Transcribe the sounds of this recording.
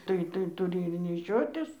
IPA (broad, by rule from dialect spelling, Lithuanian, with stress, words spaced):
ˈtɐɪ tɐɪ tʊˈrʲɪ ɪr nʲɛˈʃʲoːtʲɪs